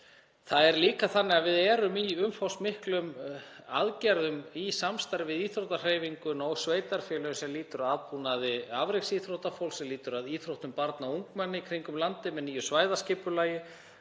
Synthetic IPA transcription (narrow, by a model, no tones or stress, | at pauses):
θaðɛɾliːkaθanːɪɣavɪðɛːɾʏmiʏmfawsmɪhklʏma̰ðcaɾðʏmisamst̪ajɾɪvɪðiːθɾowht̪ar̥eːjviŋkʏnɔɣsveːjt̪aɾ̥fjɛːlœjʏnsɛmliːt̪ʏɾaðpunaðɪavɾeksiθɾowht̪afowlsɛmliːt̪ʏɾaðiːθɾowht̪ʏmpaɾt̪nauŋkmanːɪikʰɾiŋkʏmlant̪ɪmɛðniːjʏsvaːjðascɪːpʏlaːjɪ